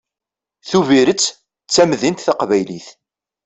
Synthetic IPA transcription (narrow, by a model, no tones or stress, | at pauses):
θuviɾət͡sː | t͡sːæmðint̪θaqvæjliθ